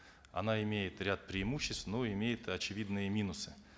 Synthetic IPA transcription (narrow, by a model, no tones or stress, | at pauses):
ɐ̰naɪmʲejɪt̪ɾʲat̪̚pɾʲɪɪmuɕːɪst̪fnoɪmʲejɪt̪ɐt͡ɕɪvʲid̪nɨjəmʲinʊsɨ̥